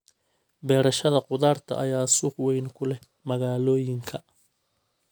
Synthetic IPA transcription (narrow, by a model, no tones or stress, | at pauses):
bɛːɾɐʃɐðɐqʊðaːrt̪ʰɐ̰ʔɐ̰jaːsʊːχwɛjnkʰʊlɛ | mɐɣaːlɔːjɪŋkʰɐ